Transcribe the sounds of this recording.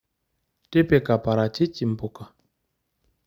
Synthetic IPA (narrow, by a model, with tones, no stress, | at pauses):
te˦pe˨ka˨pa˨ɾa˨t͡ʃi˦t͡ʃi˨m̩˨po˨ka˨